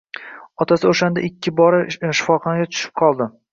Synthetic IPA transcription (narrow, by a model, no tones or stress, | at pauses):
ɒt̪ʰasɪoʃand̪a̰ʔɪkʲʰːɪbɒɾɪʃɪ̥fɒχɒnaɡʲat̪ʰʊ̥ʃɪ̥p̚qʰɒlˠd̪ɪ